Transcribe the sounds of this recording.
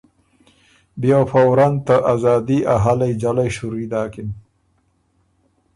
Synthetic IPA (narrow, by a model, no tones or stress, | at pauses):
bjawfawɾant̪əʔazɑːd̪iʔaɦalajd͡ʒalajʃuɾid̪aːkin